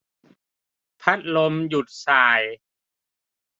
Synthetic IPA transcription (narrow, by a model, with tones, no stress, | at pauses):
pʰa˦˥t̪̚lo˧mju˨˩t̪̚saː˨˩j